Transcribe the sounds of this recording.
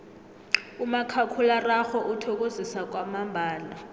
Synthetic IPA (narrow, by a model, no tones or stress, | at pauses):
umakʰakʰularaxɔʔutʰɔk̬ʼozisak̬ʼwamambʱaːla